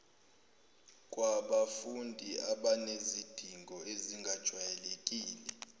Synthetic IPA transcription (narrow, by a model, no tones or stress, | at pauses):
kʼwaɓafundʱiaɓanezid̥ʱiŋɡʱɔeziŋɡʱad̥ʒ̥ʱwajɛlekʼiːlɛ